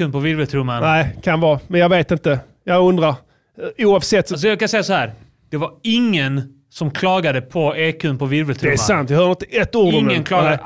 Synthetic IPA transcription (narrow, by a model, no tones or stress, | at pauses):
ʉnpʰɔvɪɾvəlt̪ʰɾɵmːanæɪkʰanvɑːmɛnjɑɡveːt̪ɪnt̪ə | jɑɵnd̪ɾaɾ | uːɑːvsɛt̪ːs̬ɔjakʰansɛjːasɔhæːɾ | d̪̥ɛvaɾɪŋːən | sɔmkʰlɑːɡad̪əpʰɔeːkʰʉnpʰɔvɪɾvɛlt̪ʰɾd̪ɛæsant̪vjɪhœːɾɪnt̪əʔɛt̪ːuːɾd̪ɔmːənkʰlɑːɡ̪